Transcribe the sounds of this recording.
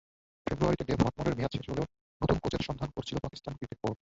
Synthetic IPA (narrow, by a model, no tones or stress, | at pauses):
febɾuaɾit̪ed̪ebʱɔt̪̚moɾeɾmijat̪ʃeʃoleo | not̪unkod͡ʑeɾʃɔnd̪ʱankoɾet͡ɕʰilopakist̪ankɾit̪ek̚poʈ